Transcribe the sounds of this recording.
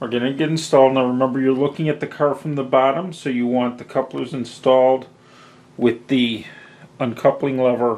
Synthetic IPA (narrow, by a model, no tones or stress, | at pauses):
ə˞ɡɛnɨ̃ɡɛɾn̩stɔlˠdnaɪɹɨmɛ̃mbə˞jə˞lʊkɪ̃ŋɨt̪̚ðɨkʰɑɹfɹʌ̃mðəbɑɾə̃msoʊjɨwɑ̃nðɨkʰʌplˠə˞zɨ̃nstɔlˠd̚ | wɪði | ə̃nkʰʌplˠɪ̃ŋlɛvə˞